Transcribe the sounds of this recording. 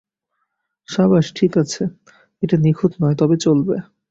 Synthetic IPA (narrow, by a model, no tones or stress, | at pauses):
ʃabaʃʈʰikat͡ɕʰe | eʈanikʰot̪nɔet̪ɔbet͡ɕolbḛ